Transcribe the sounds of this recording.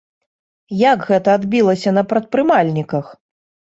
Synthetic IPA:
jakɣɛt̪ɐːd̪bʲilˠɐsʲɐnɐpɾɐt̪̚pɾɨmalʲnʲikɐx

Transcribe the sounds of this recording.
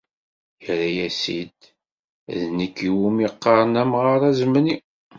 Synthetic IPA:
jɾæjæsḭd̪ | ðnəkːiwumiqːɑɾˤənæmʁɑɾˤæzməni

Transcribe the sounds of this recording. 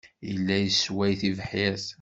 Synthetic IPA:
jəlːæjəswæjθivəħjæθ

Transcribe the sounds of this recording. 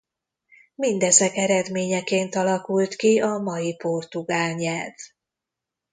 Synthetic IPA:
mind̪ɛzɛkɛɾɛd̪meːɲɛkeːnt̪ɒlɒkult̪kiɒmɒjipo̞rt̪uɡaːlɲɛlv

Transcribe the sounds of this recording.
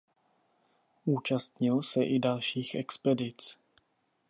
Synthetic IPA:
ʔuːt͡ʃast̪ɲɪlsɛʔɪdalʃiːxʔɛ̰kspɛdɪt͡s

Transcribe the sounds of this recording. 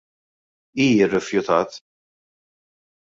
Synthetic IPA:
iːjɪrːɛfjʊt̪ɐːt̪

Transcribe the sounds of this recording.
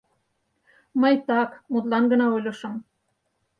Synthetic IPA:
məjt̪ɑkmut̪lɑnɡə̆nɑojlʲɤ̆ʃə̆m

